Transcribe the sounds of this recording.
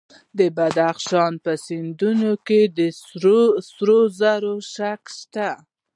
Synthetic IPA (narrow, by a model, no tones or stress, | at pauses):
d̪əbad̪axʃɑnpəsind̪unoked̪ə | sɾozaɾoʃakʃt̪a